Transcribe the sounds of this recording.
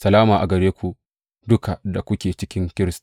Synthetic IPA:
sɐ˨laː˦maː˨ʔa˨ɡɐ˨ɽeː˦kʷu˨ | dʊ˦ka˨da˨kʷʊ˦kʲeː˨t͡ʃɪ˦kʲɪ˦ŋkʲɪ˦ɾɪ˦s

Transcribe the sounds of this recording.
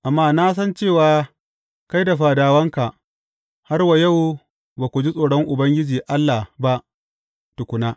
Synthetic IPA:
ʔa˨mːaː˦naː˦s̬ɐ˦nt͡ʃeː˦˨waː˨ | ka˦jda˨ɸaː˨daː˨wɐ˦ŋka˨ʔ | ha˦rwa˨jɐ˦˨w | baː˨kʷu˨d͡ʒi˦sʼoː˨ɽɔ˦ŋʔʊ˨bɐ˦ŋɡʲɪ˦d͡ʒiː˨ʔa˦lːaː˨ba˦ʔ | tʊ˨kʷʊ˨naː˦

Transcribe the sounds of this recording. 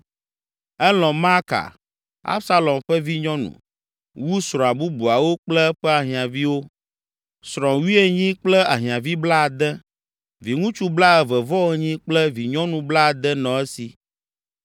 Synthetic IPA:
ɛ˦lɔ̃˨ma˦ka̰˨ | a̰˦bsa˦lɔ˨mɸɛ˦vi˦ɲɔ̃˦nṵ̃˨ | wu˦sɾɔ̃˨a˨bu˦bu˨a˨wo˦k͡plɛ˦ɸɛ˦a˨ɦĩ˨ã˨vi˦wo˦ | sɾ̃ɔ̃˨wi˦e˦ɲĩ˦k͡plɛ˦a˨ɦĩ˨ã˨vi˦bla˦a˨d̪ɛ˦ | vi˨ŋũ˦t͡ʃu˦bla˦ɛ˨vɛ˨vɔ˦ɛ˦ɲĩ˦k͡plɛ˦vi˨ɲɔ̃˦nũ˨bla˦˨d̪ɛ˦nɔ̃˨ɛ˦si˨

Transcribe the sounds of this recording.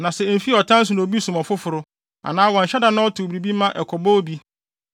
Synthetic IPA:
nã˨sɛ˨m̩˨fi˦ɔ˨tʰã˦n̩˦s̬ʊ˨nã˨o˨bi˦sũ˨mɔ˨fʊ˦fʊ˨ɾʊ˦ | a̰˨nãː˦wɔ̃˨ɲ̩˨ɕɛ˦da˨˦nã˦ɔ˦tʊ˨bɾi˨bi˦mã˦ʔɛ˨kʰɔ˨bɔ˦bi˦

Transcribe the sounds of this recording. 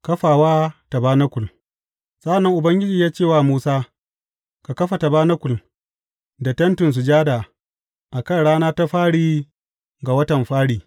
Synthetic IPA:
kɐ˦ɸaː˨waː˦ta˨baː˦nɐ˦kʷʊ˨l | sʼɐ˦a˨nːɐ˦ŋʔʊ˨bɐ˦ŋɡʲɪ˦d͡ʒiː˨jaː˦t͡ʃeː˦˨waː˦˨muː˦saː˦ | ka˨kɐ˦ɸa˨ta˨baː˦nɐ˦kʷʊ˨l | da˨tɐ˦ntʊ˨ns̬u˨d͡ʒaː˦daː˨ | ʔa˨kɐ˦˨nɽaː˦naː˦ta˦ɸaː˦ɽiː˦ | ɡa˨wɐ˦tɐ˨mɸaː˦ɽiː˨

